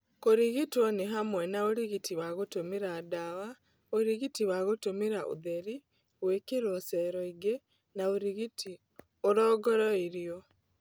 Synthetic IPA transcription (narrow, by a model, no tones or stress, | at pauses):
koɾiɣitwɔneɦamwɛnaoɾiɣitʰiwaɣotomiɾadawa | oɾiɣitiwaɣotomiɾaʔṵðeɾi | wekiɾɔsɛɾɔiɡe | naoɾiɣitʰi | oɾɔːɡɔɾɔiɾjɔ